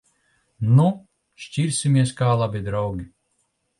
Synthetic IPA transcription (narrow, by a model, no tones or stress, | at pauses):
nu | ʃciɾʲsʲimʲiɛskaːlˠabʲid̪ɾawɡʲi